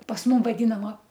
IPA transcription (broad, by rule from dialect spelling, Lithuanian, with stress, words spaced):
pɐs ˈmʊm ʋɐˈdʲiːnɐmɐ